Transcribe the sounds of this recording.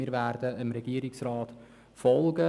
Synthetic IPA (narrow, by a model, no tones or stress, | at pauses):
iːɾʋæːɾd̥̪əəmɾɛɡ̥iːəɾɪksrɑːt̪ | fɔlɡə